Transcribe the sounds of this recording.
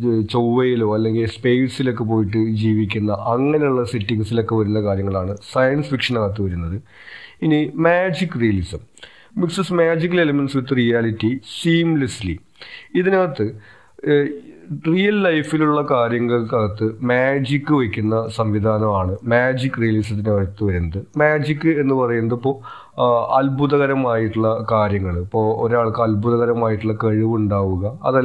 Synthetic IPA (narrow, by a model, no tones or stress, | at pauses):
t͡ɕowʋɐjilo̞ːɐlːe̞ŋɡilspe̞ːjsilo̞kːe̞p̬o̞ːjiʈ̬ːɨd͡ʑiːʋikʲːunːɐʔɐŋːɐne̞juɭːɐsitːiŋsilo̞kːe̞ʋɐɾunːɐkaːɾjɐŋːɐɭaːɳɨsɐjɐnsfikʂɐnɐɣɐt̪ːɨʋɐɾunːɐðɨ | inimaːd͡ʑikːrijɐlisɐm | miksɐsmaːd͡ʑik̬ːɐlelɐmenʈsʋit̪ːɨrijaːlitːisiːmlɐsli | iðinaɣɐt̪ːɨ | rijɐlːɐjfiluɭːɐkaːɾjɐŋːɐɭkɐɣɐt̪ːɨmaːd͡ʑikʲːɨʋɐkʲːunːɐsɐmʋid̪ʱaːnɐmaːɳɨmaːd͡ʑikːrijɐlis̬ɐt̪̬ːint̪ːɨʋɐɾunːɐðɨmaːd͡ʑikʲːɨe̞nːɨpɐrɐjunːɐðɐpːo̞ː | ɐlbuðɐɣɐɾɐmaːjiʈːuɭːɐkaːɾjɐŋːɐɭipːoːoɾaːɭkɨɐlbʱuðɐɣɐɾɐmaːjiʈːuɭːɐkɐɻiʋuɳɖaːʋuɣɐɐ̰ðɐ